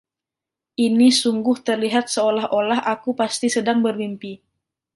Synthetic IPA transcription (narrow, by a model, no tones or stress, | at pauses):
ʔinisuŋɡʊht̪ərliɦat̪̚səolaɦʔolaɦʔakupast̪isədaŋbərbimpi